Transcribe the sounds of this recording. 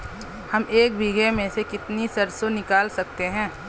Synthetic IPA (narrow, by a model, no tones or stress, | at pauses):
hɐmeːkbʱiɡemẽsekɪt̪nisɐɾsonɪkaːlsɐk̚t̪eɦɛ̃ː